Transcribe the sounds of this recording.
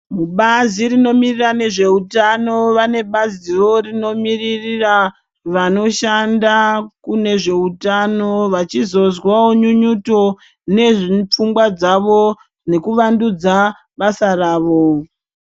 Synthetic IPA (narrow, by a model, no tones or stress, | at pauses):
muɓazirino̞mirirane̞ʐe̞utano̞ʋane̞ɓaziro̞rino̞miririra | ʋano̞ʃandakune̞ʐe̞utano̞ʋat͡ʃizo̞zwaoɲuɲuto̞ | ne̞ʐip͡fuŋɡwad͡zaʋo̞ | ne̞kuʋandud͡za | ɓasaraːʋo̞